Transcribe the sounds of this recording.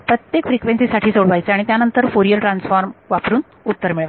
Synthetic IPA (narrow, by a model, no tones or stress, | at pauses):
pɾət̪jekfɾikʋensisaʈʰiːsoɽʋajt͡seaɽ̃it̪janənt̪əɾfoɾijəɾʈɾansfaɾmʋapɾuːn | ut̪ːəɾmiɭʋa